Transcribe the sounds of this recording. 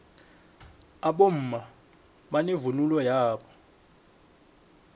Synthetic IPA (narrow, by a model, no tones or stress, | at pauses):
aɓom̩ːma | ɓanevunulɔjaːɓɔ̥